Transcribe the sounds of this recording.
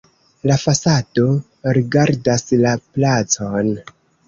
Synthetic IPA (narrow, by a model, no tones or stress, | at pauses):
lafasado̞ | ɾiɡaɾdaslaplat͡so̞n